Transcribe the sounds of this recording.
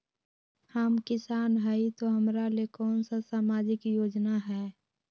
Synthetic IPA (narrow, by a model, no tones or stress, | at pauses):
həmkɪsaːnɦɛit̪oɦəmɾalekɔːnsasaːmaːd͡ʒɪkjoːd͡ʒnaɦɛː